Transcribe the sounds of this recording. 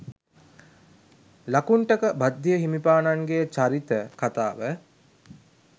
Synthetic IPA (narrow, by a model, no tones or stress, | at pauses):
lakuɳʈəkəbad̪ːijəɦimipaːnaŋɡejt͡ʃaɾit̪əkat̪a̰ːʋə